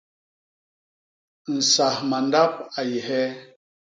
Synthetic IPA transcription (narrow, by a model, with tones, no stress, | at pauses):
n̩˨sa˨hma˨n˦da˦p̚a˨jɛ˨ɦɛ˦